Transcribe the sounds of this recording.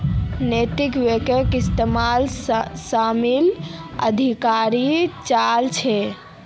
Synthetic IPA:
net̪ikʋekəkist̪emalssamilə̰d̪ʱikaɾit͡ʃalt͡ʃʰɛ

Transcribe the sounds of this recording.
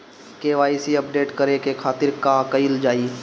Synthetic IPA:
keːʋaːisiɐpɖeːʈkəɾekekʰaːt̪ɪɾkakəɪld͡ʒaːiː

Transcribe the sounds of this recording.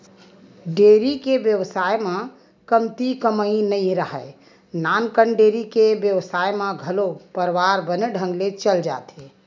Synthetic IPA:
ɖeːɾikeʋjəʋsajmã | kəmt̪ikəməĩnəĩɾəɦə | nankəɳɖeɾikeʋjəʋsajmãɡʱəlopəɾʋaɾbəneɖʱə̃ŋɡlet͡ʃəld͡ʒa̰ːt̪e

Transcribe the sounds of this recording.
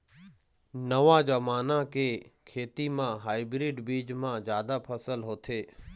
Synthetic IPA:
nəʋãːd͡ʒamaːnãːkeːkʰeːt̪iːmãːɦaːɪbɾiːɖbiːd͡ʒmãːzjaːd̪aːpʰəsəlɦoːt̪ʰeː

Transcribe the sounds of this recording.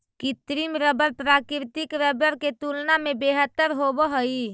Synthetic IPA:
kit̪ɾimɾəbəɾpɾaːkɪɾt̪ɪkɾəbəɾket̪ulnamẽbeːɦət̪ːəɾɦobəɦəi

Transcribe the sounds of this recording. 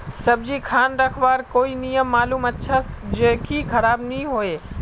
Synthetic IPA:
sɐbd͡ʑikʰaːnɾɐkʰʋaːɾkoːinijəmːaːluːmɐtʃʰasd͡ʒeːkʰikʰɐɾaːbnĩɦoːeː

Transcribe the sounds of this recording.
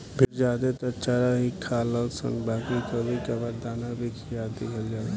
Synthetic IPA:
bʱiɾd͡ʒaːd̪et̪ɔt͡ʃaɾaɦikʰaːlɔsə̰̃ŋbaːkɾit̪ɔbʱikebad̪aːnabikʰijad̪ːekʰəld͡ʒaːla

